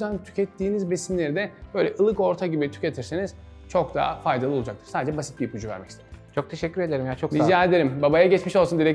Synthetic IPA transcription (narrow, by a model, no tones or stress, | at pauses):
yzænt̪ʰy̥cʰɛt̪ːiːnizbesimlʲe̞ɾid̪ɛbø̞jlʲɛʔɯlˠɯko̞ɾt̪ʰaɟibit̪ʰy̥cet̪ʰiɾseniz̥ | t͡ʃʰo̞kd̪a̰fajd̪alˠɯo̞lˠud͡ʒakt̪ʰɯ̥ɾsaːd̪ed͡ʒɛbasi̥t̪̚biɾpʰud͡ʒuvæ̰ɾmɛ̰ci̥st̪et͡ʃʰo̞k̚t̪ʰeʃɛcːyɾe̞d̪eɾimjat͡ʃʰok̪izjaed̪eɾimbabajaɟɛt͡ʃmiʃo̞lˠsund̪iɾɛc